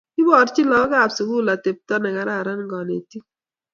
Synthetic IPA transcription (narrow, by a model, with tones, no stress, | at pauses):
i˦bɔ˨ɾt͡ʃi˦lɔ˨˦ɡa˦˨psu˨ku˦˨la˨te˨p̚tɔ˦nɛ˨ka˨ɾa˦˨ɾa˦n˦ɡɔ˨ne˨ti˦